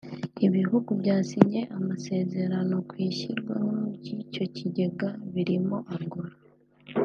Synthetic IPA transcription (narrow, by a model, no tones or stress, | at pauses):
iβiɦuɡuβɟaːsiɲe̞ʔamase̞ːze̞ɾano̞kwiːçiɾɡwahocico̞ciɟe̞ɡaβiɾimo̞ʔaŋɡuɾa